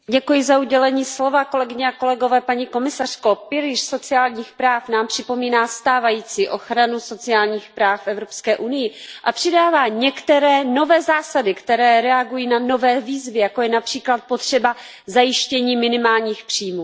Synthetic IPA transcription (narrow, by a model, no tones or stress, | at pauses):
ɟɛkujɪzauɟɛlɛɲiːslo̞vako̞lɛɡɪɲɛako̞lɛɡo̞vɛːpaɲiko̞mɪsar̝̥kopɪɾɪʃso̞t͡sɪaːlɲiːxpɾaːfnaːmpr̝̥ɪpo̞miːnaːst̪aːvajiːt͡siːʔo̞xɾanuso̞t͡sɪaːlɲiːxpɾaːffʔɛvɾo̞pskɛːʔunɪjɪʔapr̥ɪdaːvaːɲɛkt̪ɛɾɛːno̞vɛːzaːsadɪkt̪ɛɾɛːɾɛaɡujiːnano̞vɛːviːzvɪjakojɛnapr̥iːklat̪̚po̞t̪r̝̥ɛba | zajɪʃcɛɲiːmɪnɪmaːlɲiːxpr̝̥iːjmuː